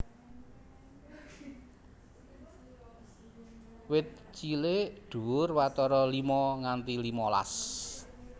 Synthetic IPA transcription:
wɪt̪̚ | t͡ʃileɖ̥ṳʊrwat̪ɔɾɔlimɔŋant̪ilimɔla̰s

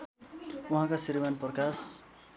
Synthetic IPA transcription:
uɦãkasiɾimanprʌkas

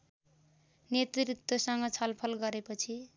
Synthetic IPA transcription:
net̪rit̪wʌsʌŋɡʌt͡sʰʌlpʰʌlɡʌɾepʌt͡sʰi

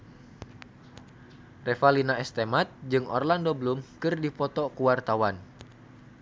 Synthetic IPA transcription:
rɛfalinaɛst̪emat̪̚d͡ʒɨŋɔ̰rlandobəlumkɨrdipɔt̪ɔkuwart̪awan

